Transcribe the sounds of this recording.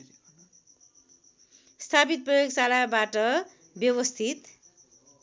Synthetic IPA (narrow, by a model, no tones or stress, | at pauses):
st̪ʰapit̪̚prʌjoɡsalabaʈʌ | bjʌwʌst̪ʰit̪